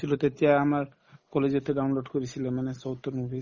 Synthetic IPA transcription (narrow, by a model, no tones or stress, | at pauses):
ilot̪et̪eaamaɾ | kɔled͡ʑot̪eɖawnloɖkoɾit͡ɕʰilemanesowt̪oɾmubʱi